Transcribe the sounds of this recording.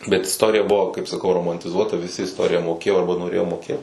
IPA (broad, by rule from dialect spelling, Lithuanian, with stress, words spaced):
bʲɛt ɪsˈtoːrʲɪjɛ ˈbʊʋoː kɐɪp sɐˈkɐʊ roːmɐnʲtʲɪˈzuɔtɐ ʋʲɪˈsʲɪ ɪsˈtoːrʲɪjɛ moːˈkʲeːjoː ˈɐrbɐ noːˈrʲeːjoː moːˈkʲeːt